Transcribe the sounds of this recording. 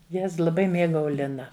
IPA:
ˈjɛs lˠɐˈbɐɪ ˈmʲeːɡɐʊ ˈlʲɪnɐ

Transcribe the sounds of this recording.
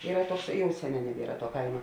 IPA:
ˈiːrɐ ˈtuɔks ˈjɛʊ ˈsʲæːˌnʲɛː nʲɛˈbʲiɛrɐ tuɔ ˈkɐɪmɐ

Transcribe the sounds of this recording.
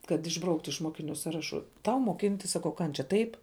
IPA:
kɐt ɪʒˈbrɐʊktʊ ɪʃ ˈmoːkʲɪˌnʲʊ ˈsɑːrɐˌʃʊ ˈtɐʊ moːˈkʲɪnʲtʲɪs ˈsɑːkɐʊ ˈkɐnʲt͡ʃʲɛ ˈtɐɪp

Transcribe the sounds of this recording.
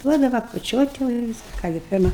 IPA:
ˈduɔdɐʋɐ kʊt͡ʃʲoːtʲ jɛʊ ɪ ˈʋʲɪs ˈkɑː ɡʲɪ ˈpʲɪrmɐ

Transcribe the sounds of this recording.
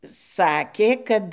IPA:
ˈsɑːkʲeː ˈkɐt

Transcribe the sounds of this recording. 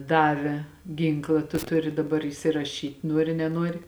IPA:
ˈdɑːʋʲɛ ˈɡʲiːŋklˠɐ tʊ ˈtʊrʲɪ dɐˈbɐr iːsʲɪrɐˈʃʲiːtʲ ˈnuɔrʲɪ nʲɛˈnuɔrʲɪ

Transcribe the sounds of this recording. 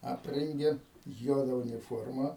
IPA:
ˈɑːpʲrʲɛŋʲɡʲeː ˈjuɔdɐ ʊnʲɪˈfoːrmɑː

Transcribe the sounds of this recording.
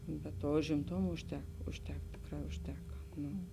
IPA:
bʲɛt ˈtuɔ ʊʒʲɪmˈtoːmɐ ʊʃʲˈtʲɛk ʊʃʲˈtʲɛk ˈtʲeːkˌrɑː ʊʃʲˈtʲæːkɐ ˈnuː

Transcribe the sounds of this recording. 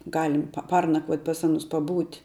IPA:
ˈɡɑːlʲɪm pɐ ˈpɐrnɐkʋuɔt pɐs ˈɑːnʊs pɐˈbuːtʲ

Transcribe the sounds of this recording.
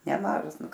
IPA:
nʲɛˈmɑːʒɐs ˈnʊ

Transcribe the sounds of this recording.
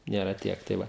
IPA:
ˈnʲeːrɐ ˈtʲiɛk tɐɪ ˈʋɐ

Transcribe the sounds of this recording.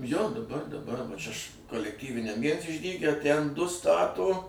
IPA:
joː dɐˈbɐr dɐˈbɐr ʋɐ ˈt͡ʃʲɛ ʃ koːlʲɛkˈtʲiːʋʲɪnʲɛm ˈʋʲiɛns ɪʒʲˈdʲiːɡʲɛ ˈtʲæn ˈdʊ ˈstɑːtoː

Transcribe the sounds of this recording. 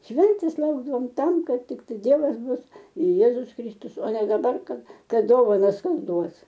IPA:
ˈʃʲʋʲɛnʲtʲeːs ˈlˠɐʊɡdɐʋoːm ˈtɐm ˈkɐt ˈtʲɪktɐɪ ˈdʲiɛʋɐs ˈbʊs ɪr ˈjeːzʊs ˈkrʲɪstʊs oː nʲɛ dɐˈbɐr ˈkɐt ˈkɐt ˈdoːʋɐnɐs ˈkɐs ˈduɔs

